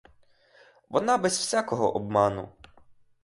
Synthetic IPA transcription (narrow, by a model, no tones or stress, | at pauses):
ʋɔnɑbɛzwsʲakɔɦɔ̰ʔɔbmɑnʊ̰